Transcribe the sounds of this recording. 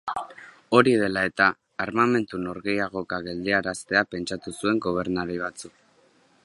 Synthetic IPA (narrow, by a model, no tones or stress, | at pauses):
o̞ɾiðe̞lae̞t̪aː | ɾmame̞nt̪uno̞ɾɣe̞jaɣ̞o̞kaɣe̞ld̪eaɾast̪e̞ape̞nt͡ʃat̪usue̞ŋɡo̞β̞e̞ɾnaɾiβ̞at͡suk